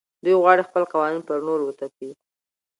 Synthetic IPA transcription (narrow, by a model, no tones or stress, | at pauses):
d̪ujɣwɑɽexpəlqɑwɑninpəɾnoɾwət̪api